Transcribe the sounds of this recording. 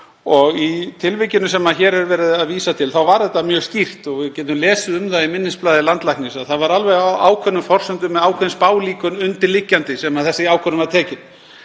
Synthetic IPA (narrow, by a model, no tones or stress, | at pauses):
ɔɣit̪ʰɪlvɪcɪnʏsɛmaçɛːɾɛɾvɛːɾɪðaðviːsat̪ʰɪlθawvaɾðɛt̪ːamjœːɣst̪ir̥t̪ɔɣvɪðcɛːt̪̬ʏmlɛːsʏʏmðaðimɪnːɪsplaːðɪlant̪lajknɪsaðθaðvaɾalvɛɣaa̰ːwkʰvœnːʏfɔr̥sʏnt̪ʏmːɛðaːwkʰvœnʏspaːwliːkʏnʏnt̪ɪɾlicːant̪ɪsɛmaðθɛsːɪaːwkʰœnʏmvaɾt̪ʰɛːcɪn